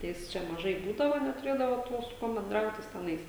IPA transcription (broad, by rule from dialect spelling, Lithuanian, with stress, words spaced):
ˈjɪs ˈt͡ʃʲɛ mɐˈʒɐɪ ˈbuːdɐʋoː nʲɛtʊˈrʲeːdɐʋoː ˈtuɔ sʊ ˈkuɔm bʲɛnˈdrɐʊt ˈjɪs tʲɛˈnɐɪs